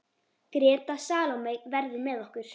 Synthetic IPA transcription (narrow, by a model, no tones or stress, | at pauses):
kɾɛːt̪asaːlowmejvɛɾðʏmɛðɔhkʏɾ̥